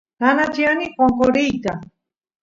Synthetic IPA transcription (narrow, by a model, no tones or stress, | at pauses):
t̪anat͡ʃianikoŋkoɾijt̪a